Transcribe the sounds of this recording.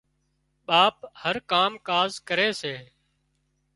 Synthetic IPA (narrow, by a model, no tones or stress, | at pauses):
ɓaːphəɾkaːmkaːzkəɾeːseː